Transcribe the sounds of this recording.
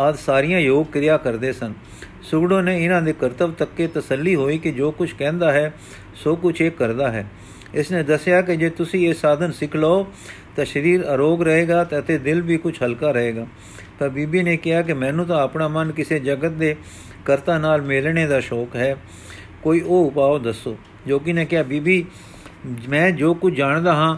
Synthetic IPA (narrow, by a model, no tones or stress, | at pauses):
aːd̪saːɾijãːjoːɡ̚kɾɪjaːkəɾd̪eːsən | sʊɡɽõːneːɪnãːd̪eːkəɾt̪əʋt̪əkːeːt̪əsəlːiːɦoːiːkɪd͡ʒoːkʊt͡ʃʰkɛ̃ːnd̪aːɦɛː | soːkʊt͡ʃʰeːkːəɾd̪aːɦɛ̰ː | ɪsnẽːd̪əsjaːk̬ɪd͡ʒeːt̪ʊsĩːeːsaːd̪ənsɪkʰlaːoː | t̪ãːʃəɾiːɾəɾoːɡɾəɦeːɡaːt̪eət̪eːd̪ɪlʋiːkʊt͡ʃʰɦəlkaːɾəɦeːɡaː | t̪ãːbiːbiːneːkɪɦaːk̬ɪmɛ̃ːnũːt̪̬ãːəpnaːmənkɪseːd͡ʒəɡət̪̚d̪eː | kəɾt̪ãːnaːlmɪlɳeːd̪aːʃɔːkɦɛː | koːiːʔoːʊpaːoːd̪əsːoː | d͡ʒoːk̬ɪnɛ̃ːkɪaːbiːbiː | mɛ̃ːd͡ʒoːkʊt͡ʃʰd͡ʒaːɳd̪aːɦãː